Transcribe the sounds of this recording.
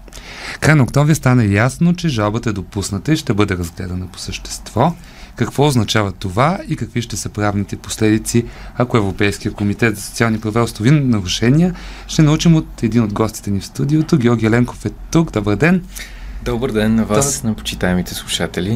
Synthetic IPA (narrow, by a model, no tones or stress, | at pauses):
kɾajnəok̚t̪ɔmvɾʲist̪anɐjasnot͡ʃɛʒalˠbət̪əɛd̪opusnət̪əiʃt̪ɛbɤd̪ɛɾɐzɡlɛ̰d̪ənəpo̥səʃt̪ɛ̥st̪v̥ɔ | kɐkvɔoznɐt͡ʃavət̪ovaikɐkviʃt̪ɛsɤpɾavnit̪ɛpo̥slɛd̪it̪siɐkoɛvɾopɛjsk̟ʲijəkomit̪ɛt̪zɐso̥tsialˠnipɾɐvaost̪ˠovinnɐɾuʃɛniəʃt̪ɛnɐut͡ʃimot̪ɛd̪inod̪ɡɔst̪i̥t̪ɛnifst̪ud̪iot̪oɡʲɔɾɡʲiɛlɛŋkofɛt̪ukd̪ɔbəɾd̪ɛn | d̪ɔbəɾd̪ɛnːɐvanɐpo̥t͡ʃit̪aɛmit̪ɛslˠuʃat̪ɛlʲi